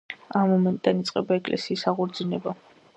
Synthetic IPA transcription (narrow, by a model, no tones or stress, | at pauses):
amːɔmɛnt̪ʼd̪anit̪sʼqʼɛbaɛkʼlʔɛ̰siːsaʁuɾd̪zinɛba